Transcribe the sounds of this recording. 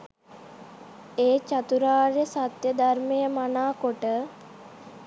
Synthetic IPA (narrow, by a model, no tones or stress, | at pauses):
eːt͡ɕat̪uɾaːɾjəsat̪jəd̪armejəmanaːkoʈə